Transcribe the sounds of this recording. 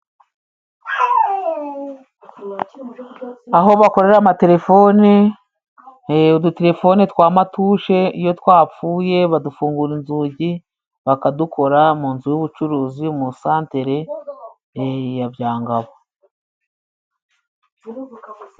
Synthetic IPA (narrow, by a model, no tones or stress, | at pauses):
aɦo̞βako̞ɾe̞ɾamate̞ɾe̞fo̞ni | uduteɾe̞fo̞nitwaːmatuːʃe̞ijo̞twaːp͡fuːje̞βadufuːŋɡuɾinzuːɟi | βakadukʰo̞ɾamuːnzujuβut͡ʃuɾuːziomusaːnte̞ɾe̞ | jabjaːŋɡaβo